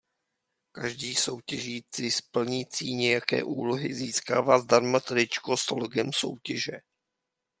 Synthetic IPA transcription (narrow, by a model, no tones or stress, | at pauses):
kaʒdiːso̞wcɛʒiːt͡sɪspl̩ɲiːt͡siːɲɛjakɛ̰ːʔṵːloɦɪziːskaːvaːzdaɾmat̪ɾɪt͡ʃkosoloɡɛmso̰wcɛʒɛ